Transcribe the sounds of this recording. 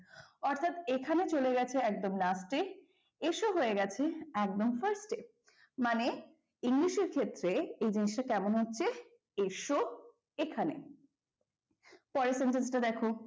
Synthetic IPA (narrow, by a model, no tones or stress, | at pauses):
ɔɾt̪ʰat̪ekʰanet͡ɕoleɡɛt͡ɕʰeɛk̚d̪omlasʈe | eʃoɦoeɡɛt͡ɕʰeɛk̚d̪omfəɾsʈe | mane | iŋliʃeɾkʰet̪ːɾeejd͡ʑiniʃʈakɛmonɦotːɕʰe | eʃo | ekʰanḛ | pɔɾesenʈensʈad̪ɛkʰo